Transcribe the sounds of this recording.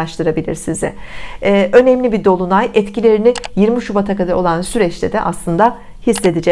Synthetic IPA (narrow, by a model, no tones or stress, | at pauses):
aʃt̪ʰɯɾabilʲḭɾsizɛ̰ɛːʔø̞nɛmlʲibid̪o̞lˠunajɛt̪cilʲe̞ɾinɪjiɾmiʃubat̪ʰakad̪ao̞lˠansyɾɛt͡ʃlʲed̪ɛ̰ʔaslˠɯnd̪a | hisːe̞d̪id͡ʒɛ